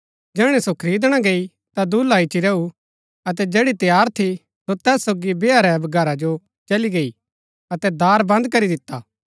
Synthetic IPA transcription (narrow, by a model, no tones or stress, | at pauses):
d͡ʒɛːɽ̃ɛsokʰɾiːd̪ɽ̃aɡei | t̪ad̪uːlaɪt͡ʃiɾɐu | ɐt̪ɛd͡ʒeːɽit̪jaːɾt̪ʰi | sot̪ɛːsːoːɡibeaɾɛbɐɡɐɾad͡ʒo | t͡ʃɐliɡei | ɐt̪ɛd̪aːɾbɐ̃nd̪kɐɾid̪ɪt̪ːaː